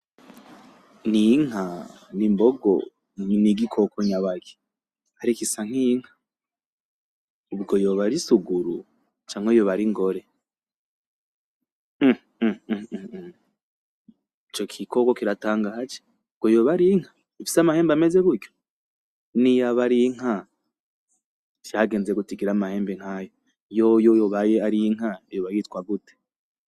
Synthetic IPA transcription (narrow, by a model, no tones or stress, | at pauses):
niŋ̥a | nimboɡo̰ | niɡikʰo̞koɲaβaɡe̥ | haɾikisaŋ̥iŋ̥ha | uβɡo̞joβaɾisuɡuɾṵ | t͡ʃaːŋ̥ejoβaɾiŋɡoɾe̞ | it͡ʃo̞kʰikʰoɡokiɾataːŋɡad͡ʒe̥ | ub̚ɡo̞joːβaɾiŋ̥hḁ | ifi̥samahe̞ːmbameze̞βuɾjo | nijaβaɾiŋ̥ɦa | t͡ʃjahaɡe̞ːnzeɡutiɡiɾamahe̞ːmbeŋ̥ajo | jojojoβajeaɾiŋ̥ajoβajitkwaɡute̥